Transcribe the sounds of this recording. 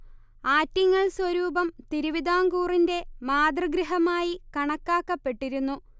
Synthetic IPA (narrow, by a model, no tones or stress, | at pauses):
aːtːɐŋːɐɭswɐɾuːbɐmt̪iɾuʋid̪aːŋɡuːrinde̞maːd̪rɐɡɾiɦɐmaːjikɐɳɐkːaːkːɐpːe̞ʈːiɾunːu